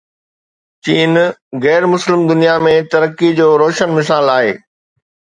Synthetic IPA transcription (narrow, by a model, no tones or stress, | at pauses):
t͡ɕiːnɣɛːɾmʊslɪmd̪ʊnijamẽt̪ɐɾəkid͡ʑoːɾoːʃənmɪsaːlaːɦḛː